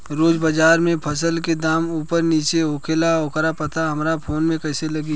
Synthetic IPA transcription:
ɾoːd͡ʒbəd͡ʒaːɾmẽpʰəsəlked̪aːmuːpəɾniːt͡ʃeɦoːkʰeːlaoːkəɾapɐt̪aɦɐmɾapʰoːnmẽkɛːselɐɡiː

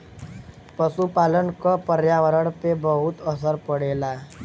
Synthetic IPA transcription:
pəsupaːlənkopəɾjaːʋəɾəɽpebəɦʊt̪əsəɾpəɽeːlaː

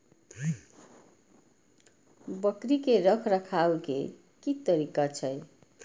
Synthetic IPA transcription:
bʌkɾikeɾʌkʰɾʌkʰawkḛ | kit̪ʌɾikat͡sʰʌj

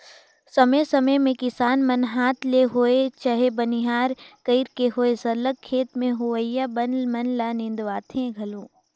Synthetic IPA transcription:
sɐməsɐməjmẽkɪsaːnmɐnɦaːt̪ʰleɦoːet͡ʃɐɦebɐniɦaːɾkəɪɾkeɦoːesɐɾləkʰːeːt̪mẽɦʊʋəjabɐnmɐnlaːnɪ̃nd̪ʋaːt̪ʰẽɡʱɐlõː

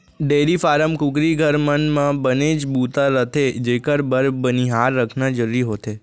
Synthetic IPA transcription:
ɖeɾifaɾəmkʊkɾiɡʱəɾmənmãbəned͡ʒbut̪aɾət̪ʰed͡ʒekəɾbəɾbəniɦaɾːəkʰnad͡ʒəɾuɾiɦot̪ʰe

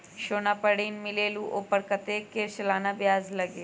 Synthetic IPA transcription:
ʃoːnaːpəɽiːnmɪleːluʔoːpəɾkət̪ekeːsəlaːnabjaːzlɐɡeː

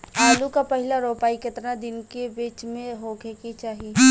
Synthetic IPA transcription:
aːlukapɐɦɪlaɾoːpaːiket̪ɾad̪ɪnkebeːt͡ʃmẽɦoɡeket͡ʃaːɦie

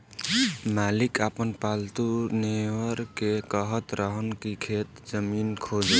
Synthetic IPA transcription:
malikapənpalt̪unewəɾkekəɦət̪ɾəɦənkikʰet̪d͡ʒəminkʰod͡ʒ

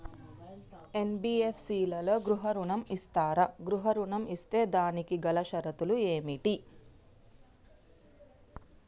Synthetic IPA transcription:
e̞nbiːepʰsiːlɐlo̞ːɡɾuɦɐɾuɳɐmist̪aːɾɐɡɾuɦɐɾuɳɐmist̪e̞ːd̪aːnikiɡɐlɐʃɐɾɐt̪ulueːmiʈi

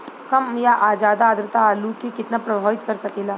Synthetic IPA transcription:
kɐmjaʔaːd͡ʒaːd̪aːd̪ɾət̪aːlukikɪt̪napɾɐbʱaːʋɪt̪kɐɾsɐkeːlaː

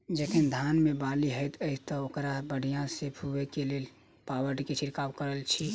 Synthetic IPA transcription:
d͡ʒek̪ʰind̪ʱanmebaliɦəjt̪əɪt̪ɔokɾabəɽ̤ijãsebʰʱuekelel | pawəɾɖket͡ʃʰiɾkawkəɾəlt͡ʃʰi

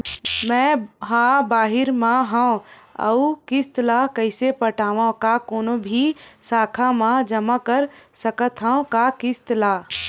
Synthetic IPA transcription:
mɛ̃ːɦãbaːɦɪɾmãɦãɐ̰ukɪst̪lakɐɪsepəʈaːʋãkakoːnobʱisaːkʰamãd͡ʒɐmakəɾsɐkət̪ʰɦãõkakɪst̪laː

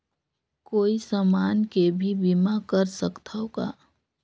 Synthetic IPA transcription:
koːisəmaːnkebʱibimakəɾsəkt̪ʰaoka̰ː

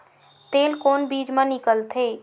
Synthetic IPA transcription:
t̪eːlkoːnbiːd͡ʒmẽnɪkəlt̪ʰeː

